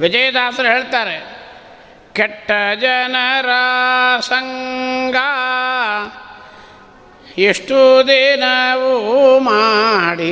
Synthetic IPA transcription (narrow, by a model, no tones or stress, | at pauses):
ʋid͡ʒɐjɐd̪aːt̪ɾɐɦeːɭt̪aːɾe | keʈːɐd͡ʒɐnɐɾasɐŋɡa | iʂʈud̪inɐʋumaɽi